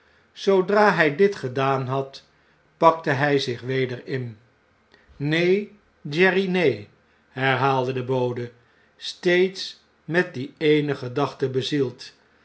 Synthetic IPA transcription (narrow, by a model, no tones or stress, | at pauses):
sowdraːɦɛjdɪtχədaːnɦɑt | pɑk̚təɦɛjzɪχʋejdəɹɪn | nej | d͡ʒɛrinej | ɦɛɹɦaːlˠdədəbowdə | stejts | mɛt̚diejnəχədɑχtəbəzilˠt